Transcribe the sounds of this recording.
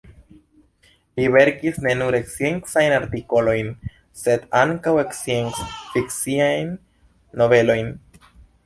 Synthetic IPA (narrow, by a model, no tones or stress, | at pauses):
liβe̞ɾkisne̞nuɾe̞ksje̞ŋksajnaɾt̪ikolojn | se̞d̪aŋkaweksjeŋsfiksiajnː | o̞βe̞lo̞jn